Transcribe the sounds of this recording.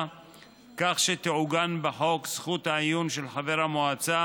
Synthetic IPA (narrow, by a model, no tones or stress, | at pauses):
kaχʃet̪eʕuɡanbeħo̞ksχuthaajunʃelħaveʁhamoat͡sa